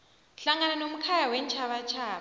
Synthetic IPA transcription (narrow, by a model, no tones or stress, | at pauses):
ɬaŋananom̩kʰajawɛnt͡ʃʰaɓat͡ʃʰaːɓ